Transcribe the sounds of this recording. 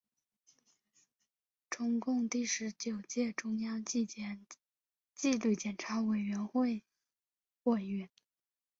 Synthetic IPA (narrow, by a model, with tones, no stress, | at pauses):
ʈ͡ʂʊ˥ŋkʊ˥˧ŋt̪i˥˩ʂɻ̩˧˥t͡ɕjo˨˩ʊt͡ɕjɛ˥˩ʈ͡ʂʊ˥ŋjɑ˥ŋ | t͡ɕi˥˧lu˥˩t͡ɕjɛ˨˩nʈ͡ʂʰa˧˥we˨˩ɪɥɛ˧˥nxwe˥˧ɪ | xwɔ˥˩ɥɛ˥n